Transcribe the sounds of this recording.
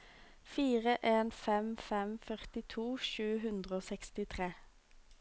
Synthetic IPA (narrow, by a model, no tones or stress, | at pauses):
fiːʁəʔeːnfɛmfɛmfœʁt̪ɪt̪ʰuːʃʉːɦʉnd̪ʁəoːsɛkst̪ɪt̪ʰʁeː